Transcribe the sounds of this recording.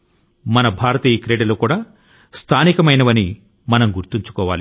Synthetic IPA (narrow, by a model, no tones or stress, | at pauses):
mɐnɐbʱaːɾɐt̪iːɐkɾeːɖɐluːkuːɽaː | st̪ʰaːnikɐmɐjnɐʋɐni | mɐnɐmɡuɾt̪iɲt͡ʃu̥kɔːʋa̰ːli